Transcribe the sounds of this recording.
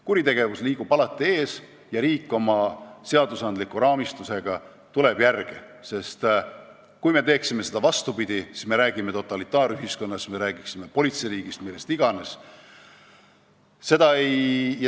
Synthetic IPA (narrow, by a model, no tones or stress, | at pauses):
kuɾit̪e̞ɡ̥e̞vusliːɡ̥ub̥ɑlɑt̪ːˑie̞ːs | jɑɾiːkːˑo̞mɑse̞ɑd̪̥usɑnd̪likːuɾɑːmist̪use̞ɡ̥ɑ | t̪ule̞b̥jærɡ̥i | se̞st̪ | kujme̞t̪e̞ːksime̞se̞d̪̥ɑvɑst̪upid̪̥ʲisi̥sme̞ɾæːɡ̥ime̞t̪o̞t̪ːˑɑlit̪ːˑɑːɾyɦisko̞nːɑsme̞ɾæːɡ̥iksime̞po̞lʲit̪seɾiːɡ̥ist̪milːe̞st̪iɡ̥ɑne̞s | se̞d̪ɑej